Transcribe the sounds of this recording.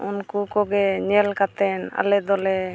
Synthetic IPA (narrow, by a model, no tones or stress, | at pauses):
ṵnkukɔɡɛɲɛlkat̪ɛna̰lɛd̪ɔlɛ